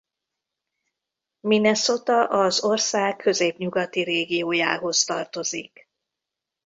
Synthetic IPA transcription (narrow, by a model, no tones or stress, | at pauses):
minɛso̞t̪ɒʔɒzo̞rsaːkʰːø̞zeːpɲuɡɒt̪iɾeːɡijoːja̰ːɦo̞st̪ɒrt̪o̞zḭk